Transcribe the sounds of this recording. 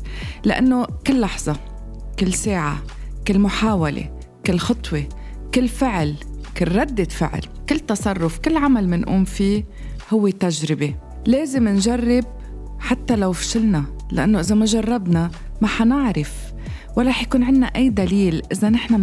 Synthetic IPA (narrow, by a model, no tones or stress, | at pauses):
laʔa̰nːokɪlːɑħz̥ˤɑ | kɪlːseːʕa̰ | kɪlːmʊħaːwalḛ | kɪlːxɑt̪ˤwe | kɪlːfɪʕlkɪlɾˤɑd̪ːɪfɪ̰ʕ̰l | kɪlːt̪ːɑsˤɑrˤːʊfkɪlːʕamalmɪnʔṵːmfi | hʊwːet̪aʒɾɪbe | leːzɪmɪnʒarːɪb̚ | ħat̪ːalawfʃɪlna | la̰ʔa̰nːoʔɪzamaʒɑrˤːɑbna | maħanɪʕɾɪf | walˤːɾˤɑːħjakuːnʕɪnːaʔajːd̪aliːlʔɪzanɪħna